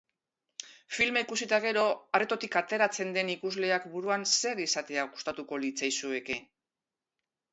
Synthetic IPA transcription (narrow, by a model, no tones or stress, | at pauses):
filmeikusit̪aɣ̞e̞ɾo̞aret̪o̞t̪ikat̪e̞ɾat͡se̞nd̪e̞nikuzle̞akbuɾuanse̞ɾisat̪e̞aɣust̪at̪uko̞lit͡sajsue̞ke